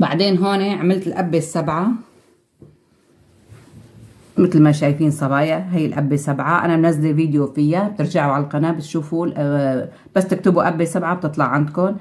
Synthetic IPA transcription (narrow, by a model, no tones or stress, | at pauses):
ba̰ʕd̪eːnɦoːniʕamɪlt̪ɪlʔabːesːabʕa | mɪt̪lmaʃaːjfiːnsˤɑbɑːjɪɦajːɪlʔabːesabʕaʔa̰nabnazːalilviːd̪jofɪjːab̚t̪ɪɾd͡ʒaʕuʕallqɑnaːbɪt̪ʃuːfulʔ | b̥asːt̪ɪkt̪ɪbuʔabːesabʕab̚t̪ɨt̪ˤlɑʕand̪kʊn